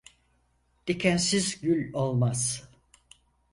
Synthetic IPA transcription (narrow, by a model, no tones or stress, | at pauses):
d̪̥icʰænsizɟylʲolˠmaz̥